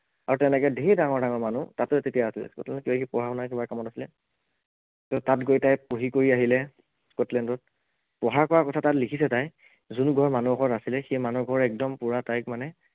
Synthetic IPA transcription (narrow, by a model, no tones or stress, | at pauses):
aɹutɛnɛkɛdeidaŋɔɹdaŋɔɹmanutatʊtetijaːsilɛ̰skɔ̰tlɛndɔkiɔkipɔɦaɔnajkebakamɔtasilɛ | tɔtatɡojtajpoɦikoɹiaɦilɛ | skɔtlɛndɔt̚ | pɔɦaɹkɔɹakɔtʰatatlikʰis̬ɛtaj | zunuɡʱɔɹmanuɔkɔtasilɛxejmanuɡʱɔɹɛk̚dɔmpuɹatajkmanɛ